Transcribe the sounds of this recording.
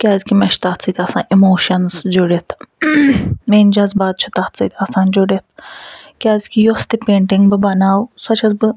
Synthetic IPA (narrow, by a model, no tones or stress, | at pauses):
kʲaːzkʲimɛʃt̪aːt͡sɨt̪ʲɐsãːʔimoːʃɐnzd͡ʒoɽet̪ʰ | meːnd͡ʒɐzbaːd̪̚t͡ʃʰut̪aːt̪t͡sɨt̪ʲiɐsaːnd͡ʒoɽet̪̚ʰkʲaːzkijost̪ipeːɳʈiŋɡbɨbɐnaːwsɐt͡ʃʰɐzbɨ